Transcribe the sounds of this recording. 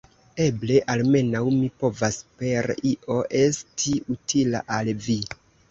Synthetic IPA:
e̞ble̞ʔalme̞nawmipo̞vaspe̞ɾiʔo̞ʔe̞stʰiutʰila̰ʔalvi

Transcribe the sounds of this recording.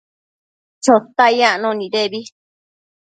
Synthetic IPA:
t͡ʃot̪ajãʔnõnĩðeβi

